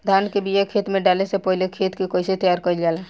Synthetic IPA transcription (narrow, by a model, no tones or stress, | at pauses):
d̪ʱaːnkebiekʰeːt̪mẽɖaːlesepoːilekʰeːt̪kikoɪset̪jaːɾkəild͡ʒaːlaː